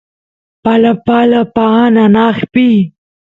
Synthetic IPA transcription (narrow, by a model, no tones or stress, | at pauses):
palapalapananaːxpi